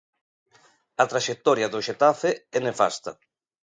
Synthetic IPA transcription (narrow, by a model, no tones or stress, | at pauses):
at̪ɾaʃek̚t̪ɔɾjaðoʃet̪afeɛnefa̰st̪a̰